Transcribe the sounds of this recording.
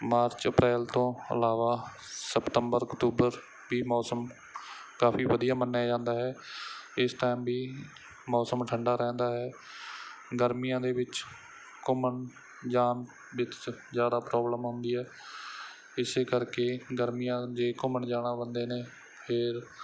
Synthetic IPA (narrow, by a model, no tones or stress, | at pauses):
maːɾt͡ʃəpɾɛːlt̪õːə̰laːʋaː | səpt̪əmbəɾəkt̪uːbəɾ | biːmɔːsəm | kaːpiːʋəd̪ijaːmənːaːd͡ʒãːnd̪aːɦɛːɪst̪aːmbiː | mɔːsəmʈʰəɳɖaːɾɛ̃ːnd̪aːɦɛː | ɡəɾmijãːd̪eːʋɪt͡ʃ | kʊməɳ | d͡ʒaːn | bɪt͡ʃt͡ʃzjaːd̪aːpɾɔːbləmɦʊnd̪iːɦɛː | ɪseːkəɾkeːɡəɾmijãːd͡ʒeːkʊməɳd͡ʒaːɽaːbənd̪eːneː | pʰɪɾ